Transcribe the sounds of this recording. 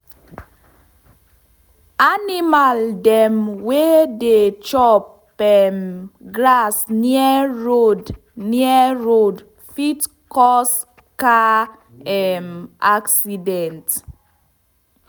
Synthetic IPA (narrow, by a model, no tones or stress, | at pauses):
animaldɛmwedet͡ʃɔp | ɛmɡɹasniɛɹod | niɛɹod | fit | kɔs | ka | ɛmaksidɛ̃nt